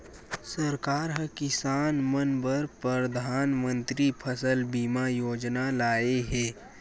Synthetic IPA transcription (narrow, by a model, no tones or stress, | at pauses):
səɾkaːɾɦɐkɪsaːnmənbəɾpɾɾəd̪ʱaːnmə̃nt̪ɾipʰəsəlbiːmajoːd͡ʒnalaːeɦɛː